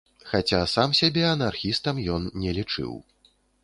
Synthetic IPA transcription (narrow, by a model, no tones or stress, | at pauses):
xat͡sʲasamsʲabʲɛɐnarxʲist̪ɐmjɔnnʲɛlʲit͡ʂɨ̰w